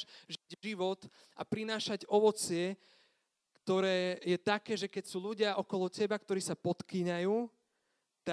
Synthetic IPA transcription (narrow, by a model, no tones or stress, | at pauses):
ʒʒiʋɔt̪ | apɾinaːʃaɟɔʋɔt͡sɪɛ | kt̪ɔɾɛːjɛt̪akɛːʒɛkɛcsuːʎuɟɪaʔɔkɔlɔcɛbakt̪ɔɾiːsapɔt̪kiɲajuː | t̪a